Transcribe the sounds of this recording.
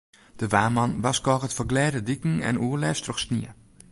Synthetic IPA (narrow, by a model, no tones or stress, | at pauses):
d̥əʋaːmɑnʋɑskɔːxətfəɡlɛːdədikŋ̩ɛ̰nuəlɛːfstrɔxsniə